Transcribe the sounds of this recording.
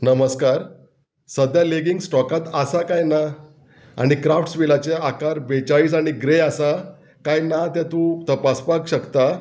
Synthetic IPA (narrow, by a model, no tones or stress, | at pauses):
nəməskaɾ | səd̪ʱjaleɡiŋɡsʈɔkat̪asakajna | a̰ɽ̃ikɾafʈsʋilat͡ɕeakaɾbet͡ɕaiːsaɽ̃iɡɾeasa | kajnat̪jɛ̃t̪ũt̪əpaspakɕəkt̪a